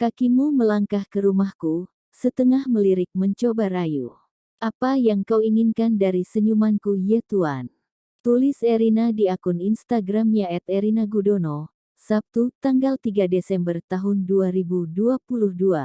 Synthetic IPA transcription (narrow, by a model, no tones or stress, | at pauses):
kakimuməlaŋkahkəɾumahku | sət̪əŋahməliɾɪk̚məɲt͡ʃobaɾajṵ | ʔapajaŋkawiŋinkandaɾisəɲumankujat̪uan | t̪ulɪsɛɾinadiakuninst̪aɡɾamjaɛt̪ɛɾinaɡudono | sap̚t̪ut̪aŋɡalt̪iɡadesɛmbərt̪aɦʊnduaɾibuduapuluhdua